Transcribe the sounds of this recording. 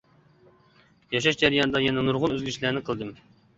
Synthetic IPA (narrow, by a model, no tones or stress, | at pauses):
jɑʃ̬ɑʃd͡ʒæɾɨjɑnɨd̪ɑjɛnɛnuɾʁʊnøzɡʲyt͡ʃʰlæɾnɪqʰəlˠd̪ɨm